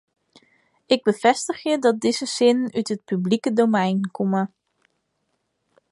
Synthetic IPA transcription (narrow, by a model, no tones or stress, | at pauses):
ɪɡ̚bəvɛstəχjədɑt̚dɪzəsɪnənytɦət̚pyblikədowmɛjnkomə